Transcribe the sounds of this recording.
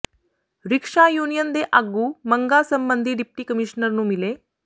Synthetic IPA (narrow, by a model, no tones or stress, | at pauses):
ɾikʂajuːnijənd̪eʔaɡuːməŋɡasəmbənd̪ʱiːɖip̚ʈiːkəmiɕnəɾnuːmile